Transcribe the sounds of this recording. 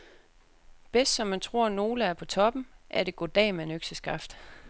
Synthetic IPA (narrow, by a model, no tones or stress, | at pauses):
b̥esd̥sɒ̽mːænt͡sʰʁo̝ɐ̰no̝ːləæɐpʰɒ̽t͡sʰɒ̽b̥m̩ʔæɐd̥e̝ɡ̥od̥ɛ̰ːmænøɡ̥səsɡ̥ɑ̈fd̥